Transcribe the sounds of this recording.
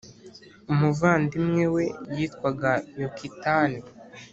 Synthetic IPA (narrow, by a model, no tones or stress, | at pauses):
umuvaːndimŋe̞we̞jiːtkwaɡajokʰitani